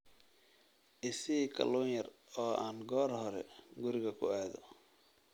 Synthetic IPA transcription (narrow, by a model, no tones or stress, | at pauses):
ʔɪsiːkʰɐ̰luːnjɐrɔːaːnɡɔːrhɔɾɛ̰ɡʊɾɪɣɐkʰʊ̰ɛːðɔ